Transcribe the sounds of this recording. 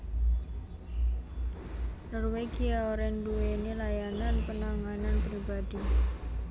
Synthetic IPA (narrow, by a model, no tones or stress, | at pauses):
nɔrweɡiaoɾɛnduenelajananpənaŋananpɾibadi